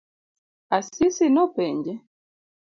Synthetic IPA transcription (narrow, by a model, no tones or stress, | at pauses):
asisinɔpɛɲd͡ʒɛ